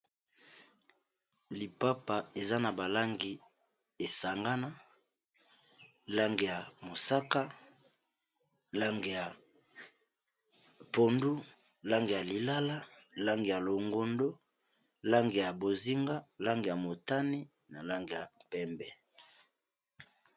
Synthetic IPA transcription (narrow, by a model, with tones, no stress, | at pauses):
li˨pa˦pa˨e˨za˦na˨ba˨la˦ŋɡi˨ | e˨sa˨ŋɡa˦na˦ | la˦ŋɡi˨ja˨mo˨sa˦ka˦ | la˦ŋɡe˨ja˨ | po˨ndu˦ | la˦ŋɡi˨ja˨li˨la˦la˦la˦ŋɡi˨ja˨lo˨ŋɡo˦ndo˦ | la˦ŋɡi˨ja˨bo˨zi˦ŋɡa˦la˦ŋɡi˨ja˨mo˨ta˦ni˦ | na˨la˦ŋɡi˨ja˨pɛ˦mbɛ˦